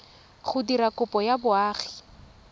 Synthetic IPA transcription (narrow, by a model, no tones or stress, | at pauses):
χʊdiɾakʊpɔjabʊaːχi̥